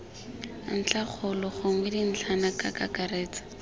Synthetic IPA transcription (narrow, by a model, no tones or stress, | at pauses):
n̩t͡ɬʰaχʰʊlɔχoŋɪdin̩t͡ɬʰanakakakareːt͡sḁ